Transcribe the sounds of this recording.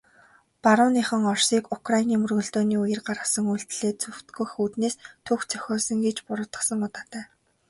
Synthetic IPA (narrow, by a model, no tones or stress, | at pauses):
paɾʊːniːχə̆ŋɔrsiːkʊkrainiːmɵrɣɵ̆ɮt̪oːniːujɘ̆rɢaɾə̆sə̆ŋuɬt̪ɮeːt͡sɵw̥t̪ɡujxuːt̪neːst̪ʰɵxt͡sʰœ̥xʲɔːsə̆ŋɡet͡ɕpʊɾʊ̆ːt̪ə̆sə̆ŋʊt̪aːt̪æː